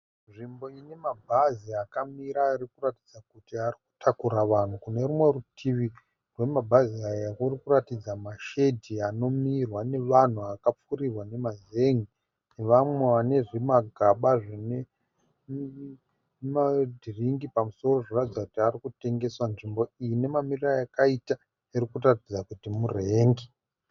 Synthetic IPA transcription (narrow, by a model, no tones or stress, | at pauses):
nʐimbo̞ine̞mabʱaziakamiɾairikurati̥d͡zakutiariku̥tʰakuɾaʋan̤ukune̞rumwe̞rutʰiʋi | rwe̞mabʱaziajakurikuratid͡zamaʃedʱiano̞mirwane̞ʋan̤uakap͡furirwane̞mazeŋɡi | neʋamwe̞ʋane̞ʐimaɡʱaɓaʐine | madʱiriŋɡipamuso̞ro̞ʐoratid͡zakutiarikute̞ŋɡe̞swanʐimbo̞ijine̞mamirirajakaita | iɾikuratid͡zakutimure̞ːŋɡi